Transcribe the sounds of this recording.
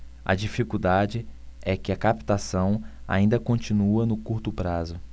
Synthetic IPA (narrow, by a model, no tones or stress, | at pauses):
ɐ̰d͡ʒifikuwd̪ad͡ʒɪɛkɪɐkapi̥t̪asɐ̃w̃a̰ĩnd̪ɐkõnt͡ʃĩnuɐnʊkuɾt̪ʊpɾazʊ